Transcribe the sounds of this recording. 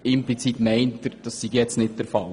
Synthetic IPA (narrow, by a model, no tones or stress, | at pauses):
ɪmplit͡sit̪mɛɪntəɾd̥ɑsːiɡjɛt͡stnɪt̚d̥ɛɾfɑl